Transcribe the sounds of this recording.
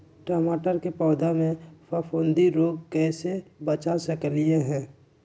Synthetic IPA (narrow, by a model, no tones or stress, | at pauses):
ʈəmaːʈəɾkepɔːd̪amẽfʰafʰõːnd̪iɾoːɡ̚kɛːsebət͡ʃaːsəklieɦɛ̃ː